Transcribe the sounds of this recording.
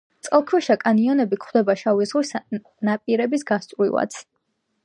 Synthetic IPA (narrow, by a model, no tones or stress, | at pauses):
t̪sʼɛlˠkʰwɛʃakʼaniɔnɛbikʰχwd̪ɛbaʃawizʁwis | napʼiɾɛbisɡast̪sʼvɾḭlˠa̰t̪sʰ